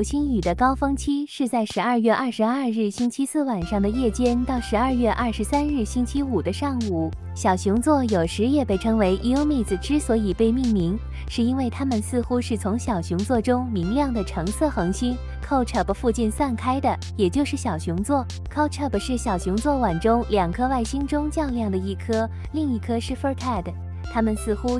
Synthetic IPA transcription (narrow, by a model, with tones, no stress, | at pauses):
t͡ɕʰi˥ny˨˩d̪ə˦kɑ˥ʊfɤ˥ŋt͡ɕʰi˥ʂɻ̩˥˧t͡sa˥˩ɪʂɻ̩˧˥ɐ˞˥˧ɥɛ˥˧ʔɐ˞˥˧ʂɻ̩˧˥ɐ˞˥˧ɻɻ̩˥˩ɕi˥nt͡ɕʰi˥sɹ̩˥˩wa˨˩nʂɑ˥˩ŋd̪ə˩jɛ˥˩t͡ɕjɛ˥nt̪ɑ˥˩ʊʂɻ̩˧˥ɐ˞˥˧jɥɛ˥˧ʔɐ˥˩ʂɻ̩˧˥sa˥nɻɻ̩˥˩ɕi˥nt͡ɕʰi˥u˨˩d̪ə˦ʂɑ˥˩ŋu˨˩ | ɕjɑ˨˩ʊɕʊ˧˥ŋt͡swɔ˥˩jo˨˩ʊʂɻ̩˧˥jɛ˥˩pe˥˩ɪʈ͡ʂʰɤ˥ŋwe˧˥ɪʔi˧˥ʊmi˥˩t͡sɹ̩˨˩ʈ͡ʂɻ̩˥swɔ˧˥i˨˩pe˥˧ɪmi˥˩ŋmi˧˥ŋ | ʂɻ̩˥˩i˥nwe˥˩ɪt̪ʰa˥mə˨nsɹ̩˥˧xu˥ʂɻ̩˥˩t͡sʰʊ˧˥ŋɕjɑ˨˩ʊɕʊ˧˥ŋt͡swɔ˥˧ʈ͡ʂʊ˥ŋmi˧˥ŋljɑ˥˩ŋd̪ə˩ʈ͡ʂʰɤ˧˥ŋsɤ˥˩xɤ˧˥ŋɕi˥n | kʰo˥˧ʊʈ͡ʂʰə˥˩bfu˥˧t͡ɕi˥˧nswa˥˩nkʰa˥ɪd̪ə˨ | jɛ˨˩t͡ɕjo˥˧ʊʂɻ̩˥˩ɕjɑ˨˩ʊɕu˧˥ŋt͡swɔ˥˩ | kʰo˥˧ʊʈ͡ʂʰə˥˩bʂɻ̩˥˩ɕjɑ˨˩ʊɕʊ˧˥ŋt͡swɔ˥˩wa˨˩nʈ͡ʂʊ˥ŋljɑ˨˩ŋkʰɤ˥wa˥˩ɪɕi˥ŋʈ͡ʂʊ˥ŋt͡ɕjɑ˥˧ʊljɑ˥˩ŋd̪ə˩i˥˩kʰɤ˥ | li˥˧ŋi˥˩kʰɤ˥ʂɻ̩˥˩fə˥kʰa˥˩d̪ə˩ | t̪ʰa˥mə˨nsɹ̩˥˩xu˥